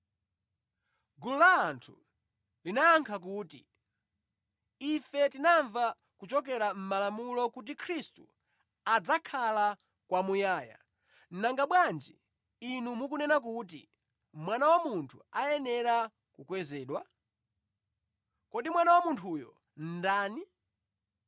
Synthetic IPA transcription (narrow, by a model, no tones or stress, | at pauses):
ɡululaːntʰu | linaːŋkʰak̬uːtḭ | ifɛtinaɱva | kut͡ʃɔk̬ɛɾam̩malamulɔkut̬ikʰɾistu | ad͡zakʰala | kwamujaːja̰ | n̩naŋɡaɓwand͡ʒiː | numukunɛnak̬ut̬ḭ | mwanawamuntʰuajɛnɛɾa | kukwɛzɛːɗwa | kɔɗimwanawamuntʰujɔ̰ | n̩daːni